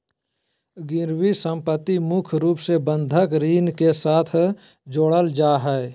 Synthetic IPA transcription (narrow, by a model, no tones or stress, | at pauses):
ɡɪɾwisə̃mpət̪ːimʊkʰɾuːpsebə̃nd̪ʱəkɾiːnkesaːt̪ʰ | d͡ʒoːɽəld͡ʒaːɦɛe